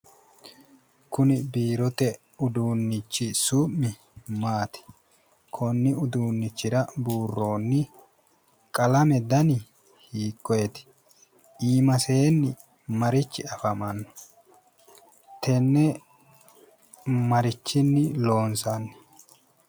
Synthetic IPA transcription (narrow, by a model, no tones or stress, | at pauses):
kʊnɪbiːɾɔt̪ɛ | ʊd̪uːnːɪt͡ʃːɪsuːʔmːɪ | maːt̪ɪ̥ | kʰɔnːɪʊd̪uːnːɪt͡ʃːɪɾɐbuːrːo̞ːnːɪ | kʼɐlɐmɛd̪ɐnɪ | hiːkːɔjɛt̪ɪ̥ | iːmɐseːnːɪ | mɐɾɪt͡ʃːɪɐfɐmɐnːɔ̥ | t̪ʰɛnːɛ | mɐɾɪt͡ʃːɪnːɪlo̞ːnsɐnːɪ̥